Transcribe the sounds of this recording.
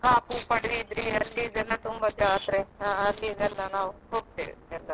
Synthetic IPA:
kaːpupɐɽʋid̪ɾiɐlːid̪ɛlːɐt̪umbɐd͡ʒaːt̪ɾeãːɐlːid̪ɛlːɐnaːʋuɦoːɡ̚t̪ḛːeɾd̪a

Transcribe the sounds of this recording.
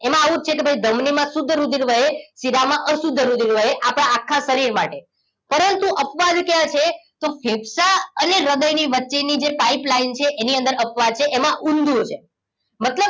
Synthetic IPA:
emãaʋũt͡ʃʰekebʱəaid̪ʱəmnimãsʊd̪ʱːəɾud̪ʱiɾʋəɦesiɾamãʔəsud̪ʱːəɾud̪ʱiɾʋəɦeʔapɽ̃aakʰːasəɾiɾma̰ʈe | pəɾənt̪uʔəpʋad̪kjãt͡ʃʰet̪ofʰebsaəneɾəɡ̪əjniʋətːʃenid͡ʒepaiplaint͡ʃʰeʔeniənd̪əɾəpʋad̪̚t͡ʃʰeʔemãʔund̪ʱũt͡ʃʰe | mət̪ləb̚

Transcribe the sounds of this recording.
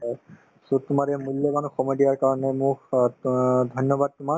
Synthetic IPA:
sotʊmaɹɛmuljɔbanuxɔmɔjdijaɹkaɹɔnɛmʊk | dʱɔjnːɔbad̚tʊma

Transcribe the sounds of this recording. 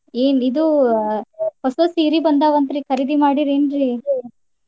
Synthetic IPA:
eːnid̪u | hɔsosiːɾibɐnd̪aːʋɐnt̪ɾikʰɐɾid̪imaːɽiɾeːnɾi

